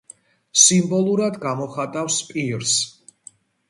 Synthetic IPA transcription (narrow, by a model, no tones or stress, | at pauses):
simbɔlˠuɾad̪ɡamɔχat̪ʼafspʼiɾs